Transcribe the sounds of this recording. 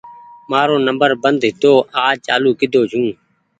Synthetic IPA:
maːɾoːnəmbəɾbənd̪ɦɪt̪oːʔaːt͡ʃa̰ːluːkɪd̪ʱoːt͡ʃʰũː

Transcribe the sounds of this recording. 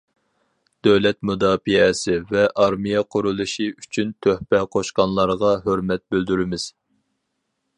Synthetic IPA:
d̪̥øwlɛt̪mud̪ɑːpiɛsɪvɛʔɑɾmijɛqʰʊɾulˠuʃiyt͡ʃʰynt̪ʰøhpɛqʰoʃqɑnlˠɑɾʁɑɦøɾmɛt̪̚bøld̪yɾɪmɪz̥

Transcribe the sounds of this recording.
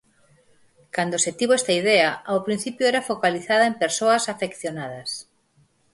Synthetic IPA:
kand̪oset̪iβoɛst̪aiðeaawpɾin̟θipjoeɾafokaliθaðɐempeɾsoɐsafekθjonaðɐs

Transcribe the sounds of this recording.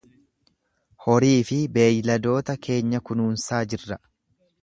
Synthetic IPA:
hɔɾiːfɪbeːjlɐd̪o̞ːt̪ɐkʰe̞ːɲːɐkʊnuːnsaːd͡ʒɪrːɐ

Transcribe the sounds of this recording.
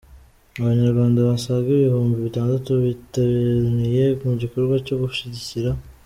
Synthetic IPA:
aβaɲaɾɡwaːndaβasaɡiβihuːmbiβitaːndatuβitaβeanije̞kuɟiko̞ɾɡwaco̞ɡuʃiɟiciɾa

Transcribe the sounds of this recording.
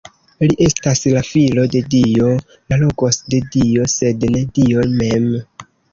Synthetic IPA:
liʔe̞staslafilo̞de̞dio̞ | lalo̞ko̞sde̞dio̞se̞dne̞dio̞me̞m

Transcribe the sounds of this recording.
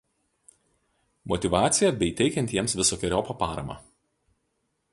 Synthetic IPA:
mɔt̪ʲɪʋɑːt̪sʲɪjɛbʲɛɪt̪ʲɛɪkʲɛnʲt̪ʲiɛmsʋʲɪsoːkʲɛɾʲoːpopɑːɾɐ̰mɑ̰ː

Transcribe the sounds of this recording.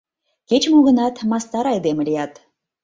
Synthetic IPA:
ɡ̥et͡ɕʰmuɣɘ̆nat̪ʰmast̪aɾajd̪emə̆lʲijat̪

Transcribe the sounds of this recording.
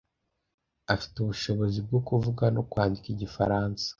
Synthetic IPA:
afi̥tuβuʃo̞βo̞zib̚ɡokuvuɡanokwaːɲɟikiɟifa̰ɾaːnsḁ

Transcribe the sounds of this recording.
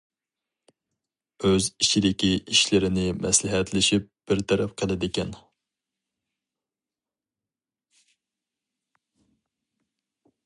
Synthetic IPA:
øzit͡ʃʰid̪ɪkʲiʔiʃlɪɾɪnɪmɛslɪɦɛt̪lɪʃip̚b̥ɪɾt̪ʰɛɾɛpqʰəlˠɪd̪ɪkʲɛn

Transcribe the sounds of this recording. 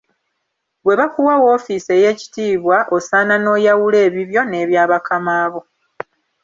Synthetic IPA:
βwe̞βakuwawo̞fisie̞je̞ːci̥tiːβwaʔo̞saːnano̞ːjawule̞ːβiβjo̞ne̞ːβjaːβakamaːβo̞

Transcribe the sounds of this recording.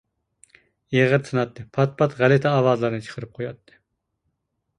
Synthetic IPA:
jeʁəɾt̪ʰɨnɑt̪ːɨpʰɑt̪̚pʰɑt̪ʁælet̪ʰaːwɑzlˠɑɾɨnɨt͡ʃʰə̥qʰəɾɨp̚qʰojɑt̪ːɨ̥

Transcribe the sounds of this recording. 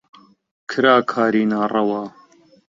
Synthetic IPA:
kʰɨɾaːkʰaːɾiːnaːrɐwaː

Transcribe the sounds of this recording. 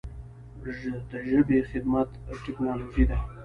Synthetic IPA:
d̪əʒəbexɪd̪mat̪ʈɪknɑloʒid̪a

